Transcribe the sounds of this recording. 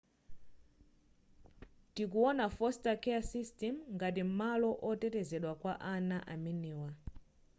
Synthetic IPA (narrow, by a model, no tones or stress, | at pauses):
tikuɔnafɔstakɛasistɛmŋɡat̬im̩malɔʔɔtɛtɛzɛɗwakwaʔanaʔaminɛːwa